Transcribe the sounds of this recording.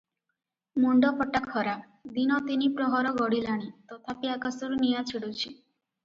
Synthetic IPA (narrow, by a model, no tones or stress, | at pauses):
muɳɖɔpɔʈakʰɔɾap | d̪inɔt̪inipɾɔɦɔɾɔɡɔɽilaɽ̃it̪ɔt̪ʰapiakasɔɾunijat͡ʃʰiɽut͡ʃʰi